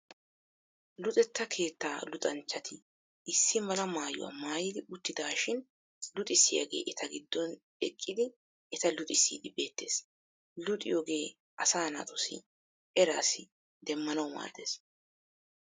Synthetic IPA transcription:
lʊt̪ʼɛt̪ːɐkʰe̞ːt̪ːaːlʊt̪ʼɐnt͡ʃːɐt̪ʰɪ | ɪsːɪmɐlɐmaːjʊ̰wɐ̰ːmaːjɪd̪ɪʊt̪ːɪd̪aːʃɪn | lʊt̪ʼɪsːɪja̰ɡe̞̰ːʔɛt̪ʰɐɡɪd̪ːɔn | ɛkʼːɪd̪ɪ | ʔɛt̪ɐlʊt̪ʼɪsːḭːd̪ɪbe̞ːt̪ːe̞ːs | lʊt̪ʼɪjoːɡe̞ː | ʔɐsaːna̰t̪ʼɔsɪ̰ | ʔɛɾaːsɪ | d̪ɛmːɐnɐwma̰ːd̪e̞̰ːs

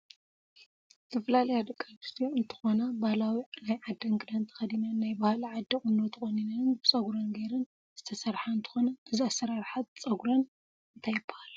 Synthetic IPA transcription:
t̪ʰɐfɐlalɐjad̪ɐkʼːabist̪ʰoɨnt̪ʰɨ̥xo̞nɐbahlawinajʕad̪ːɐŋɡʼɨd̪ant̪ʰɐ̥xɐd̪inɐnːajbahliʕad̪ːikʼɨnːot̪ʰɨxʼoninɐnbɨt͡sʼɐɡuɾɐnɡɐjɾɨn | z̥ɨt̪ʰɐsɐɾħaɨnt̪ʰɨ̥xo̞nɐɨziasːɐɾaɾħat̪̚t͡sʼɐɡuɾɐn | ɨnt̪ʰajɪbːɐhal

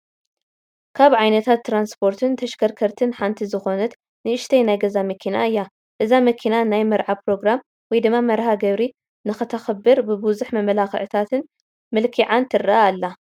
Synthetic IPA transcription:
kʰaβʕajnɐt̪ʰat̪ːɾanspʰo̞ɾt̪ʰɨnt̪ʰɐʃkʰɐɾkʰɐɾt̪ʰɨnħant̪ʰizɨxo̞nɐt̪ | nɨʔɨʃt̪ʰejnajɡɐzamɐkʰinaɨjːa | ʔɨzamɐkʰinanajmɐɾʕapɾo̞ɡɾam | wɔjd̪ɨmːamɐɾhaɡɐβɾi | nɨxɨt̪ʰɐxɐbːɨɾbɨbuzuħmɐmɐlaxɨ̰ʕɨt̪ʰat̪ʰɨn | mɨlkʰiʕant̪ʰɨraaːlːa

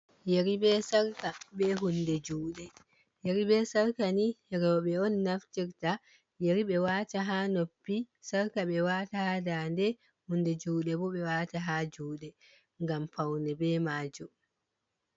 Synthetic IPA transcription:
jeɾibɛsaɾkabɛɦundɛd͡ʒuːɗɛ | jeɾibɛsaɾkanijɛɾɛɔɓɛɔnːaftiɾta | jeɾiɓɛwaːtaɦanopːi | saɾkaɓɛwaːtahadandɛ | hundɛd͡ʒuːɗɛbɔɓɛwaːtaɦad͡ʒuːɗɛ | ŋɡampawnɛbɛːmaːd͡ʒɔ

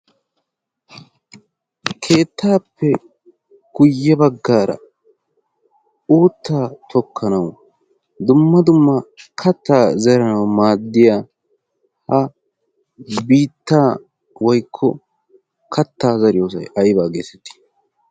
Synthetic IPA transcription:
kʰe̞ːt̪ʰːaːpːɛ | ɡ̥ʊjːɛbɐɡːaːɾɐ̰ | uːt̪ʰːaːt̪ʰɔkʰːɐnɐw | d̪ʊmːɐd̪ʊmːɐkʰɐt̪ːaːzɛɾɐnɐwmaːd̪ːɪjaː | hɐ | biːt̪ːaː | wɔjkʰːɔ | kʰɐt̪ːaːzɐɾɪjo̞ːs̬ɐ̰jʔɐjbaːɡḛːsɛt̪ːɪ̥

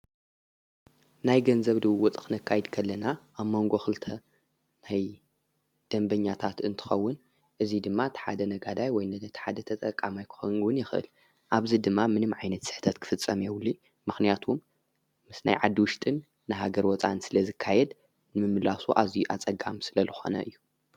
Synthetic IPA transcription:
najɡɐnzɐβd̪ɨwwɔt͡sʼxɨnɐkʰːajɛd̪kʰɐlːɐnaʔaβmo̞ŋɡo̞xɨlt̪ʰɐ | naj | d̪̥ɐmbɐɲːat̪ʰat̪ɨnt̪ʰɨ̥xɐwːʊn | ʔɨzid̪ɨmːat̪ʰħa̰d̪ɐnɐɡad̪ajwɔjnɐt̪ʰħad̪ɐt̪ʰɐt̪ʼɐkʼːamajkʰɨ̥xɐnwɨnjɪxʔɨ̰l | ʔaβzid̪ɨmːamɨnɨmʕajnɐt̪sɨ̥ħt̪ʰɐt̪kʰɨ̥fɨt͡sʼːɐmewli | mːɨxnijat̪ʰumː | ɨsna̰jʕad̪ːiwʊʃt̪ʼɨnː | ɨɦaɡɐɾwɔt͡sʼa̰nsɨlɐzɨkʰːajɛd̪ | nɨmɨmɨlasuʔazijuʔat͡sʼɐɡamsɨlɐzɨxo̞̰nɐ̰ʔɨjːu

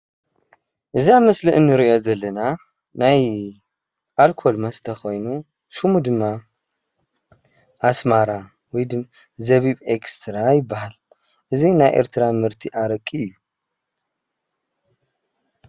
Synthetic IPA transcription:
ʔɨzamɨslɨʔɨnːɨɾɨʔo̞zɐlːɐna | naj | ʔalkʰo̞lmɐst̪ʰɐxo̞jnu | ʃumud̪ɨmːa | ʔasmaɾa | wɔjd̪ɨ | zɐβiβekst̪ʰɾajɪbːahal | ʔɨzinajʔḛɾt̪ʰɨɾamɨɾt̪ʰiʔaɾɐkʼːiɨjːu

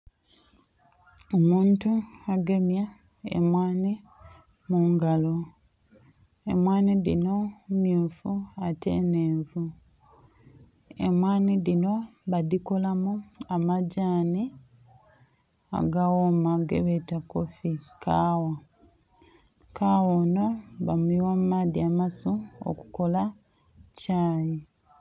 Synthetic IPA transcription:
omuːntuaɡe̞mja | ḛmwaːni | muːŋɡalo̞ | emwaːniðino̞mjuːfuate̞̰neːvu | ḛmwaːniðino̞βadiko̞lamuamaɟaːni | a̰ɡawomaɡḛβetakofikʰaːwa | kaːwoːno̞βamuiwamumaːdiamasuo̰ku̥ko̞la | caːji

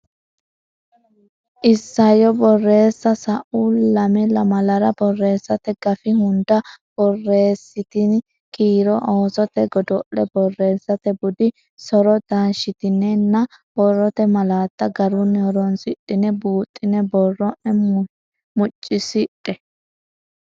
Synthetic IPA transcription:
ʔɪsːɐjɔbɔrːe̞ːsːɐsɐʔuːlːɐmɛlɐmɐlɐɾɐbɔrːe̞ːsːɐt̪ɛɡɐfɪhʊnd̪ɐb̥ɔrːe̞ːsːɪt̪ɪn | kiːɾɔʔoːsɔt̪ɛɡɔd̪ɔʔːɛbɔrːe̞ːsːɐt̪ɛbʊd̪ɪ | sɔɾɔd̪anʃɪt̪ɪnːɛnːɐ | b̥ɔrːɔt̪ɛmɐlaːt̪ːɐɡɐɾʊnhɔɾɔnsɪɗɪnɛbuːt̪ʼːɪnɛbɔrːɔʔɛ | mʊt͡ʃʼːɪsɪtʼːɛ

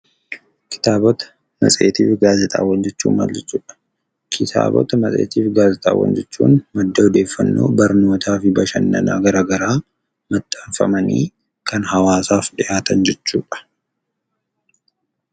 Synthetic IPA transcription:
kʰɪ̥t̪aːbɔt̪ɐ̥ | mɐ̰sʼe̞̰ːt̪iːfɡaːzɛt̪ʼa̰ːwːɐnd͡ʒɛt͡ʃːuːnma̰ld͡ʒɛt͡ʃːuːᶑɐ̥ | kʰɪt̪ʰa̰ːbɔ̰t̪ɐmɐsʼḛːt̪iːfɡaːzɛt̪ʼa̰ːwɐ̰nd͡ʒɛt͡ʃːuːnmɐd̪ːɐɔd̪e̞ːfːɐnːo̞̰ːbɐɾno̞ːt̪ʰaːfɪbɐʃɐnːɐ̰na̰ːɡɐɾaːɡɐɾaː | mɐt̪ʼːɐnfɐ̰mɐnḭː | kɐnhɐwaːsaːfᶑɪʔaːt̪ɐnd͡ʒɛt͡ʃːuːᶑɐ̥

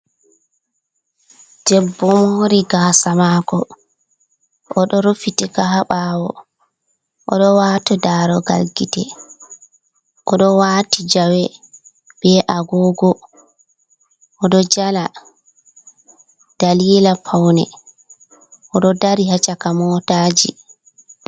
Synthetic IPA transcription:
dɛbːɔmoɾiɡaːsamakɔ | ʔɔɗɔɾofitikahaɓaːwɔ̰ | ʔɔ̰ɗɔwaːtɔdaːɾɔɡa̰lɡitɛ | ʔɔɗɔwaːtid͡ʒawɛ | b̥ɛʔaɡɔːɡɔ | ʔɔɗɔd͡ʒala | d̥aliːlapʰawnɛ̰ | ʔɔɗɔdaɾihat͡ʃakamɔtaːd͡ʒḭ

